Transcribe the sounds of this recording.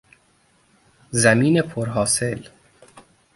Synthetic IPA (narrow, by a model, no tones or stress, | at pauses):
zæmiːne̞pʰoɾɦɒːse̞l